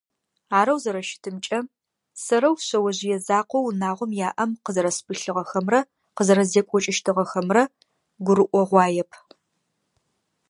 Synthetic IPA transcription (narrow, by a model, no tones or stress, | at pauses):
aːɾɐwzɐɾɐʃɪ̥tʰɨmt͡ʃʼɐ | sɐɾɐwɕɐwɐʑɪjɛzaːqʷɔwnaːʁʷɔmjaːʔɐmqəzɐɾɐspʰɨɬɨʁɐxɐmrɐ | qəzɐɾɐzeːkʷʼɔt͡ʃʼɪʃtʰɨʁɐxɐmrɐ | ɡʷʊɾɨʔʷɔʁʷɑːjɛpʰ